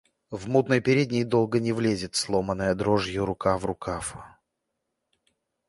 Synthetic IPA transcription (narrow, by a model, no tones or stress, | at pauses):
vmut̪nəjpʲɪɾʲedʲnʲɪjd̪o̞lˠɡənʲɪvlʲezʲɪt̪slˠomənːəjəd̪ɾoʐjʊɾʊkavrʊkaf